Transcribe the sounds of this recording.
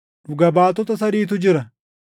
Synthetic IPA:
ᶑʊɡɐbaːt̪ɔt̪ɐsɐɾiːt̪̬ʊd͡ʒɪɾɐ

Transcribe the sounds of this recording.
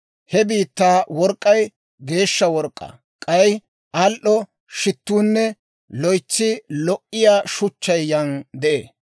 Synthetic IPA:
hɛbiːt̪ːaːwɔɾkʼːɐj | ɡe̞ːʃːɐwɔɾkʼːɐ̰ | kʼɐj | ʔɐlʔɔ | ʃɪt̪ːuːnːɛ | lɔjt͡sːɪlɔʔːɪjaːʃʊt͡ʃːɐjːɐnd̪ɛʔḛː

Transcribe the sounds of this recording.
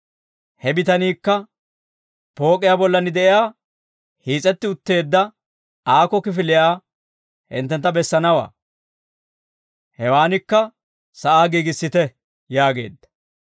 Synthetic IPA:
hɛbɪt̪ɐniːkːɐ | po̞ːkʼːɪjaːbɔlːɐnɪd̪ɛʔɪjaː | hiːt͡sʼɛt̪ːɪʊt̪ːe̞ːd̪ːɐ | aːkɔkɪfɪlɪjaː | hɪ̰nt̪ːɛnt̪ːɐbɛsːɐnɐwa̰ː | hɛwaːnɪkːɐ | sɐʔaːɡiːɡɪsːɪt̪ɛ | jaːɡe̞̰ːd̪ːɐ̥

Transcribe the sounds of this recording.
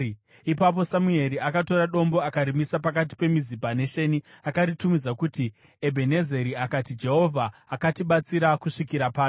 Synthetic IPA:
ipap̬o̞samue̞ɾiakato̞ɾaɗo̞mbo̞akaɾimisapakat̬i̥pe̞mizibane̞ʃe̞niakaɾitumid͡zakuti | ebʱe̞ne̞ze̞ɾiakatid͡ʒe̞ɦo̞vʱaːkatiɓat͡siɾakuʂikiɾapaː

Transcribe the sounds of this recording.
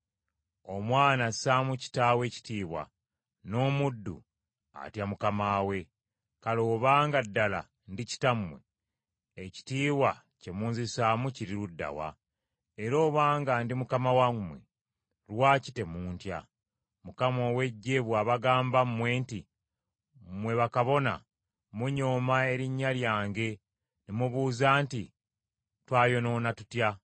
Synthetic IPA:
o̞mwaːnasaːmuci̥taːwe̞ci̥tiːβwa̰ | no̞ːmudːṵ | a̰tjamukamaːwe̞ | kalo̞ːβaːŋɡadːala̰ | ndici̥tammːwe | eci̥tiːβwa | ce̞muːnzisaːmuciɾiludːa̰wa̰ | eɾo̞ːβaːŋɡandimukamawamːwḛ | ɾwaːci̥te̞muːntja̰ | mukamo̞ːwe̞ɟːeβwaβaɡaːmbammwe̞ːnti | mwe̞βakaβo̞na̰ | muɲoːmae̞ɾiɲːaljaːŋɡe̞ | nimuβuːzaːnti | twaːjo̞no̞ːnatutja

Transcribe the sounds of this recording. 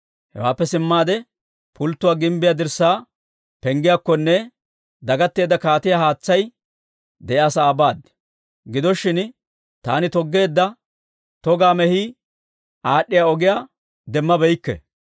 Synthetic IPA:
hɛ̰wa̰ːpːɛsɪmːaːd̪ɛ | pʊlt̪ːʊwaːɡɪmbɪjaːd̪ɪɾsaː | pɛŋɡɪjakːɔnːɛ | d̪ɐɡɐt̪ːe̞ːd̪ːɐkaːt̪ɪjaːhaːt͡sːɐj | d̪ɛjaːsaːbaːd̪ | ɡɪd̪ɔʃːɪn | t̪a̰ːnɪt̪ɔɡːe̞ːd̪ːɐ | t̪ɔɡaːmɛhi | ʔaːɗːɪjaːɔɡɪjaː | d̪ɛmːɐbɛjkːɛ̰

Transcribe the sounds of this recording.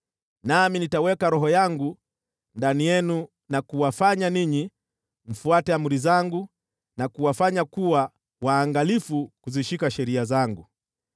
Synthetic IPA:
naminitawɛkaɾɔɦɔjaŋɡu | ndanijɛnu | nakuwafaɲaniɲi | m̩fuatɛamuɾizaŋɡu | nakuwafaɲakuwa | waːŋɡalifukuziʃikaʃɛɾiazaŋɡu

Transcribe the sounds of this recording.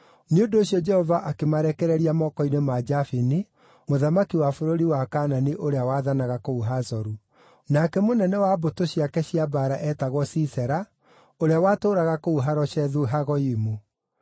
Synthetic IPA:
neondoːɕiɔd͡ʒɛhɔvaʔakemaɾɛkɛɾɛɾiamɔːkɔinemad͡ʒafini | moðamakiwafoɾoɾiwakaːnaniʔoɾeawaðanaɣakouɦazɔɾu | nakɛmonɛnɛwaːbotoɕiakɛɕiabaɾaʔɛtaɣwɔsisɛɾa | oɾeawaːtoːɾaɣakouɦaɾɔʃɛðuɦaɣɔimo

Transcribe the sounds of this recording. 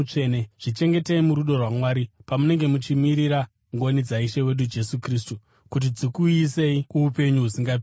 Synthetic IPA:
t͡ʂeneʐ̥it͡ʃe̞ŋɡe̞teimuɾuɗo̞rwamwaːɾipamune̞ŋɡe̞mut͡ʃimiɾiɾa | ŋɡo̞nid͡zaiʃe̞we̞ɗud͡ʒe̞sukristu | kut̬id͡zikuise̞iuːpe̞ɲuɦusiŋɡap

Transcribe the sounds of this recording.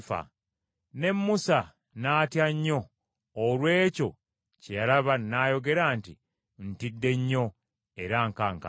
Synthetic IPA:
fa̰ | ne̞mːusa | naːtjaɲːo̞ː | lwe̞ːco̞ | cejalaβanːaːjo̞ɡe̞ɾanti | ntidːe̞ɲːo̞ | e̞ɾaŋkaŋka̰

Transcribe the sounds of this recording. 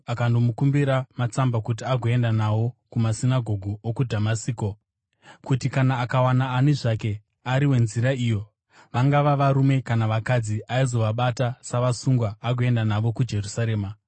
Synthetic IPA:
akando̞mukumbiɾamat͡sambakut̬iaɡʱoe̞ndanawo̞kumasinaɡʱo̞ɡʱuokudʱamasiːko | kutikanaːkawanaːniʐake̞ | aɾiwe̞nziɾaiːjo̞ | ʋaŋɡaʋaʋaɾume̞kanaʋakad͡ziaizo̞ʋaɓatasaʋasuŋɡwaːɡʱoe̞ndanaʋo̞kud͡ʒe̞rusaɾe̞ːma

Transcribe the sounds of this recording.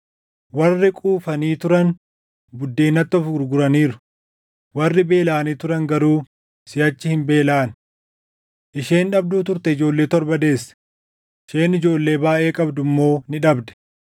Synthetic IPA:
wɐrːɪkʼuːfɐniːt̪ʊɾɐn | bʊd̪ːeːnɐt̪ːɔfɡʊɾɡʊɾɐniːɾʊ̥ | wɐrːɪbe̞ːlaːniːt̪ʊɾɐŋɡɐɾuː | sɪjɐt͡ʃːɪhɪmbe̞ːlaːn | ʔɪʃe̞ːnᶑɐb̚d̪uːt̪̬ʊɾt̪ɛɪd͡ʒo̞ːlːe̞ːt̪ɔɾbɐd̪e̞ːsːɐ̥ | ʃeːnɪd͡ʒo̞ːlːe̞ːbaːʔe̞ːkʼɐbd̪ʊmːo̞ːnɪᶑɐbd̪ɛ̥

